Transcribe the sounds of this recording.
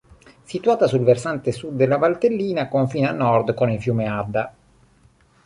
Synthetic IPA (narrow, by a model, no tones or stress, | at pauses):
sit̪uaːt̪asulversant̪esud̪ːelːavalt̪elːiːnakoɱfiːnanːɔrd̪konilfjuːmead̪ːa